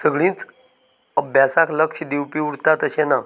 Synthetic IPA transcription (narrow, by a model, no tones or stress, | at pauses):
səɡɭĩːt͡s | əbʱjasãkləkɕəd̪iwpiʋɽt̪at̪əɕena